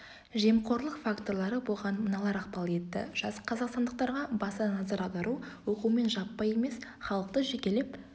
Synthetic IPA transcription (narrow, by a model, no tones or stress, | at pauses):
ʒemqʰo̞ɾlˠəqfakt̪o̞ɾlˠɑɾəbolˠʁɑnmənɑlˠɑɾɑqpɑlˠe̞t̪ːɪ̰ʒ̥ɑsqʰɑzɑqst̪ɑnd̪əq̚t̪ɑɾʁɑbɑsɑnɑzɑɾɑwd̪ɑɾu | wo̞qume̞nʒɑpːɑje̞me̞sχɑlˠəq̚t̪əʒekʲe̞lep